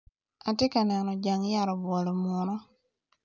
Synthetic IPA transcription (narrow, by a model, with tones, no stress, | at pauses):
a˨tɪ˦ka˨nɛ˨nɔ˨d͡ʒa˨ŋja˨ɾɔ˨bɔ˨lɔ˨mɔ˨nɔ˦